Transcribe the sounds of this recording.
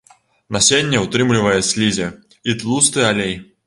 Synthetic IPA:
nɐsʲenʲːɛut̪ɾɨmlʲivɐjɛsʲlʲizʲɛ | it̪lˠust̪ɨalʲej

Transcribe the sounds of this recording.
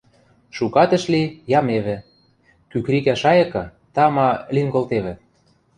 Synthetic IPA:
ʃukɑt̪ə̆ʃlijɑmeβɘ̆ | kykɾikæʃɑjɤ̆kɤ̆ | t̪ɑmɑliŋɡŏlt̪eβɘ̆

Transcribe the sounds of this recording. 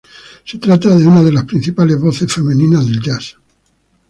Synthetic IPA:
se̞t̪ɾat̪aðe̞unaðe̞laspɾin̟θipalezβoθe̞sfe̞mẽnĩnazðe̞ld͡ʒas

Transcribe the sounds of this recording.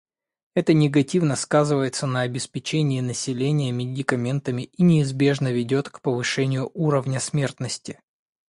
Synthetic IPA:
ɛt̪ənʲɪɡɐtʲivnəskazɨvəjɪt̪sənəɐbʲɪspʲɪt͡ɕenʲɪːnəsʲɪlʲenʲɪjəmʲɪdʲɪkɐmʲe̞nt̪əmʲɪinʲɪːzbʲe̞ʐnəvʲɪdʲo̞t̪kpəvɨʂɛnʲɪjʊʔuɾəvnʲəsmʲe̞rt̪nəsʲtʲɪ

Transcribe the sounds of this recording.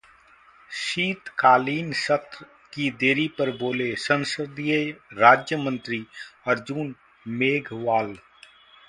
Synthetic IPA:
ʃiːt̪kaːliːnsət̪ɾ | kid̪eːɾipɐɾboːlesə̃nsɪd̪ieɾaːd͡ʒjəmə̃nt̪ɾiɐɾd͡ʒuːn | meːɡʱʋaːl

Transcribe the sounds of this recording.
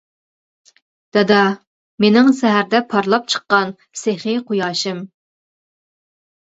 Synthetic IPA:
d̪̥ɛd̪ɑ | menɪŋsɛɦæɾd̪ɛpʰɑɾlˠɑp̚t͡ʃʰə̥qːɑn | seχɪqʰujɑːʃɪm

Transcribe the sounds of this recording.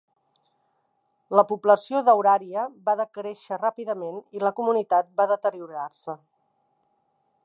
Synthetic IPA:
ləpubləsioðəwɾaɾiəbaðəkɾeʃərapiðəmeniləkumunit̪at̪̚baðət̪əɾiuɾarsə

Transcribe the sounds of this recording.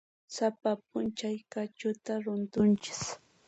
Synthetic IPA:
sapap̚ʊnt͡ʃajkat͡ʃʊt̪aɾʊnt̪ʊnt͡ʃɪ̥s

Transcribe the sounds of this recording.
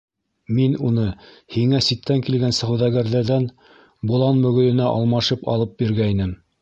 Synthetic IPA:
minunɤ | hiŋæsit̪ːæŋkilɡænsɤ̆ʁɘ̆wðæɣæɾðæɾðæn | bŭlˠɑnmɵ̆ɣɵ̆lɘ̆næʔɑ̰lˠmɑʃɤpɑ̰lˠɤp̚biɾɡæinɘm

